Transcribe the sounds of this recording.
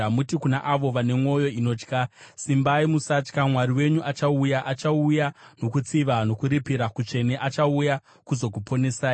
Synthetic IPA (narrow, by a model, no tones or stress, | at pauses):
amutikunaʔaʋo̞ʋane̞mo̞jo̞ino̞ːt͡ʃkasimbaimusat͡ʃkamwaɾiwe̞ɲuʔat͡ʃaujaʔat͡ʃaujano̞kut͡siʋano̞kuɾipiɾakut͡ʂe̞ne̞ʔat͡ʃauja | kuzo̞kupo̞ne̞saːi